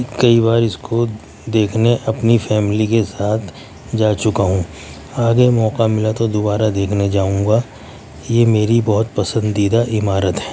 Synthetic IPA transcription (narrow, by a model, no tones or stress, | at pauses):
kɐiβaːɾɪskʰo | d̪eːkʰneʔɐpnifɛːmɪlikesaːt̪ʰ | d͡ʒaːt͡ʃʊkaɦũ | aːɡemɔːqamɪlat̪od̪obaːɾad̪eːkʰned͡ʒaːũːɡa | jemeːɾibɐɦʊt̪̚pɐsə̃nd̪id̪aʔɪmaːɾət̪ɦɛː